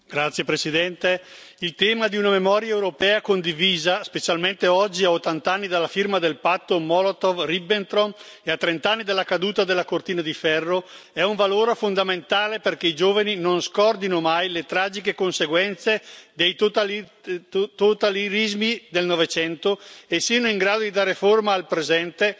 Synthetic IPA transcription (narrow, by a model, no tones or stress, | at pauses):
ɡɾat̪sːjepɾesid̪ɛnt̪e | ilt̪ɛːmad̪iunamemɔːɾjaewɾopɛːakond̪iviːzaspet͡ʃalment̪eɔd͡ʒːiaot̪ːant̪anːid̪alːafirmad̪elpat̪ːomɔlot̪ovribent̪ɾoneat̪ːɾent̪anːid̪elːakad̪uːt̪ad̪elːakort̪iːnad̪ifɛrːoɛuɱvaloːɾefond̪ament̪aːleperkeid͡ʒoːvaninonskɔrd̪inomajlet̪ɾaːd͡ʒikekonseɡwɛnt̪sed̪ejt̪oa | t̪ot̪aliɾizmid̪elnɔvet͡ʃɛnt̪oesːiːanoiŋɡɾaːd̪od̪id̪aːɾeformaːlpɾezɛnt̪e